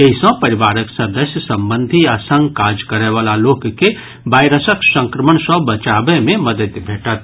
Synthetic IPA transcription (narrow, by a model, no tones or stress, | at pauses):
jəɪsɔ̃pɐɾɪʋaːɾəksəd̪əsjəsɐ̃mbə̃nd̪ʱiaːsə̃ŋɡkaːd͡ʒkəɾeʋaːlaloːkke | baːɪɾəsəksə̃ŋkɾəməɳ̃sɔbɐt͡ʃaːbẽmẽməd̪ət̪bʱeːʈət̪̚